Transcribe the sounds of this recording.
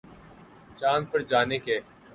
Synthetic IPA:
t͡ʃaːnpəɾd͡ʒaːnekeː

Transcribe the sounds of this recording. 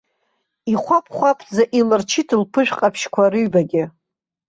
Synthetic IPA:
iχʷapʰχʷapʰzaʔilɨrt͡ʃʰɪtʰɨlpʰɨʒᶣqʼapʰʃkʷʰaɾɨɥbaɡʲɪ

